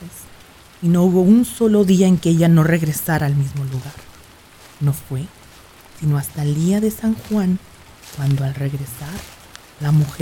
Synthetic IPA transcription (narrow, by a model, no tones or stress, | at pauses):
es | ino̞uβo̞unso̞lo̞ðiaeŋkeeʝano̞re̞ɣɾe̞saɾaːlmizmo̞luɣaɾ | no̞fwe̞ | sino̞ast̪aeld̪iaðe̞saŋxwan | kwand̪o̞alre̞ɣɾe̞saɾ | lamux